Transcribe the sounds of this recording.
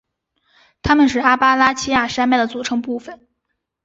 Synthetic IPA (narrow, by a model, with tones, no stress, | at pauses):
t̪ʰa˥mə˨nʂ̬ɻ̩˥˩a˥pa˥la˥t͡ɕʰi˥ja˥˩ʂa˥nma˥˩ɪd̪ə˩t͡su˨˩ʈ͡ʂʰɤ˧˥ŋpu˥˩fə˩˦n